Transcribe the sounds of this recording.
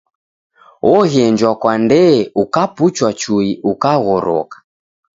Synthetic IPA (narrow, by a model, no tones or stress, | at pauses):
ɔɣɛnd͡ʒwakwandɛukaput͡ʃwat͡ʃuiʔukaɣɔɾɔ̰kḁ